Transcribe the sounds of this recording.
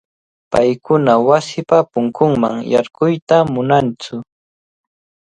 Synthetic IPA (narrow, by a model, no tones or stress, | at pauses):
pajkʊnawasɪpapʊŋkʊŋma̰ŋjaɾɢʊjt̪amʊnant͡sʊ